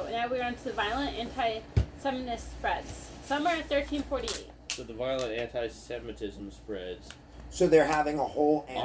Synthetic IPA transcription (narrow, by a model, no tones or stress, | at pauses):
naʊwiɹʌ̃ntʰɨðɨvaɪlˠə̃ntæ̃ntʰaɪsɛmnɨspɹɛdz̥sʌmə˞ɨθɜ˞tʰĩnfɔɹɾiḛ | soʊðəvaɪl̩ˠə̃ntæ̃ntʰaɪsɛmɨtʰɪz̃m̩spɹɛdz̥ | soʊðə˞ɦævɪ̃ŋəhoʊlˠæ̃